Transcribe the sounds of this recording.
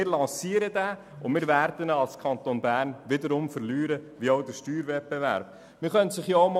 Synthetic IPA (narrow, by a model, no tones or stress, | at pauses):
ɪːɾlɑ̃ːsiːəɾədæː | ʊnmɪːɾvæɾd̥ənɑlskʰɑnt̪onbæːɾnʋɪdəɾʊmfəɾlyːɾəʋiɔʊdəɾʃtyːɾvɛt̚bɛʋæ̰ːɾb̥̚ | mɪɾχœntsɪχjɔm